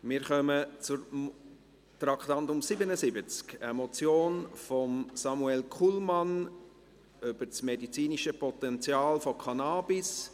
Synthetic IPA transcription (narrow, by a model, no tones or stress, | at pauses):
mɪɾχœmət͡suɾ | trɑktɑntʊmsibənəsɪbət͡skɛmɔt͡sjoːnfɔmsɑmuɛlkʰulmɑn | yb̥ət͡smedit͡siːniʃəpɔtɛnt͡sjɑːlfɔkʰɑnaːbis